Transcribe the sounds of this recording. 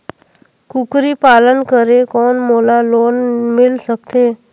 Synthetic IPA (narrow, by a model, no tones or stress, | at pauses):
kukɾiːpalənkəɾekɔnmolalonmilsək̚t̪e